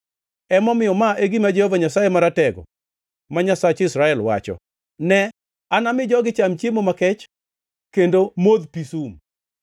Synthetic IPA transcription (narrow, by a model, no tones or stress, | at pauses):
ɛmɔmɪjɔmaʔeɡimad͡ʒɛhɔvaɲasajemaɾatɛɡɔ̰ | maɲasat͡ʃɪsɾaɛlwa̰t͡ʃɔ̰ | nɛ | anamɪd͡ʒɔɡɪt͡ʃamt͡ʃjemomakɛt͡ʃ | kendomod̪pisum